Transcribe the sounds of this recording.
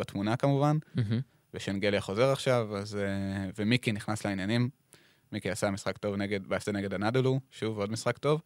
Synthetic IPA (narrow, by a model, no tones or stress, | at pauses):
batmunakamuvan | veʃenɡeljaχo̞ze̞ʁaχʃavazevemikiniχnasleinjanimː | ikiasamisχakto̞vne̞ɡe̞dbaːseneɡe̞danadoluʃuvo̞dmisχakto̞v